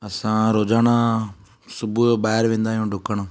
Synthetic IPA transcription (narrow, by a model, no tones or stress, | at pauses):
əsãːɾoːd͡ʒaːnaː | sʊbuobaːɦɪɾʋẽːnd̪aːɦjõːɖʱʊkəɳãː